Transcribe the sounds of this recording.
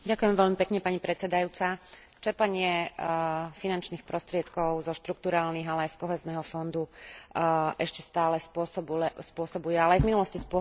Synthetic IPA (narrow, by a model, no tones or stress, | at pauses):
ɟakujɛmʋɛʎmipɛkɲɛpaɲipɾʔɛt̪t͡sɛd̪ajuːt͡sa | t͡ʃɛɾpaɲɪɛ | finant͡ʃniːxpɾɔst̪ɾɪɛt̪kɔʊzɔʃt̪ɾukt̪uɾaːlniɦalɛajskɔɦɛːznɛɦɔfɔnd̪u | ʔɛʃcɛst̪aːlɛspʊɔsɔbuɛspʊɔsɔbujɛalɛajvminulɔscispʊɔ